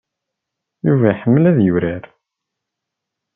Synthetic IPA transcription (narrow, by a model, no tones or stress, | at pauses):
juvæħəmːlæðjuɾæɾ